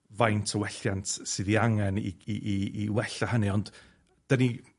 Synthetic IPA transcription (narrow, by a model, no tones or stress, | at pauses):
vajntʰəwɛɬjantʰsɨðiaŋɛnḭiiiwɛɬahəniɔnd̥ | d̥əni